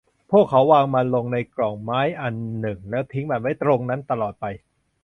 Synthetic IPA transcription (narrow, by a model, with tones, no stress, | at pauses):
pʰu˥˩kʰːa˦˥wːaː˧ŋma˧nlo˧ŋna˧jklɔː˨˩ŋmaː˦˥jʔa˧nːɯ˨˩ŋlɛː˦˥wt̪ʰi˦˥ŋbaː˨˧˩ma˦˥˩jt̪ɾo˧ŋna˦˥nt̪a˧lɔː˨˩t̪̚pa˧j